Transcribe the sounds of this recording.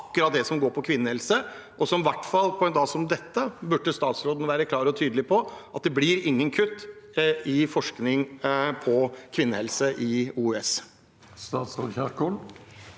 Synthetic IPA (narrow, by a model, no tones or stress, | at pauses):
kːʉɾɑt̪̚d̪ɛsɔmɡoːɾpʰɔkʰʋɪnːəhɛlsə | ʔɔsɔmʋæʈːfɑlːpʰɔɛnd̪ɑːsɔmd̪ɛt̪ːəbʉʈːəst̪ɑːt̪sɾoːd̪n̩ʋæːɾəkʰlɑːɾɔt̪ʰyːd̪əlɪpʰɔʔɑt̪̚d̪ɛblɪɾɪŋːənkʰʉt̪ːɪfɔʂknɪŋpʰɔkʰʋɪnːəhɛlsəʔɪuːɛs | st̪ɑːt̪sʁoːd̪çæɾkul